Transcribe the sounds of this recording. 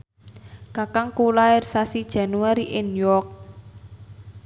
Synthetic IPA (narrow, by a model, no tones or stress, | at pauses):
kakaŋkulaɪrsasid̥ʒ̥a̤nuaɾiʔenjɔk̚